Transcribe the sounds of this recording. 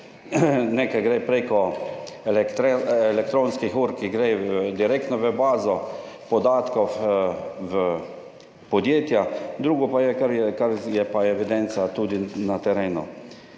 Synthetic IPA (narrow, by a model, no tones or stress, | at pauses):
neːkajɡɾepɾekɔɛlkt̪ɾɛlɛk̚t̪ɾõːnskixuːɾkiɡɾed̪iɾek̚t̪nɔʋəbaːzɔ | pɔd̪aːt̪kɔf | ʋə | pɔd̪jeːt̪jad̪ɾuːɡɔpajɛkaɾjɛkaɾjɛpaɛʋid̪ɛnt̪sat̪uːd̪inat̪ɛɾeːnṵ